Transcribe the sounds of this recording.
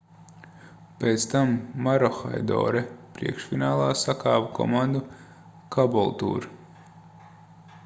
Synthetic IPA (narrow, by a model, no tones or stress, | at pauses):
peːt̪st̪amːaɾɔxa̰jd̪ɔ̰ːɾɛpɾḭɛkʃfinaːlˠaːsakaːvukʰɔ̰mand̪u | kʰabɔlˠt̪ṵːɾ